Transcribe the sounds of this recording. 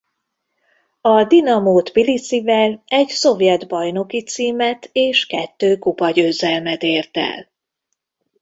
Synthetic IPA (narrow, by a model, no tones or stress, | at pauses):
ɒd̪inɒmoːt̪pilisivɛlɛɟso̞vjɛd̪bɒjn̪o̞kit̪siːmɛt̪ʰeːʃkɛt̪ːøːkupɒɟøːzɛlmɛt̪eːrt̪ɛ̰l